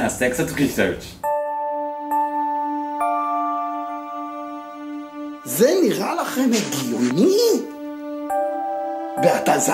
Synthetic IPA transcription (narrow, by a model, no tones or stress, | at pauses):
asɛksat̪ʁisɛɾt͡ʃ | zɛniʁalaχemaɡijoni | veat̪aza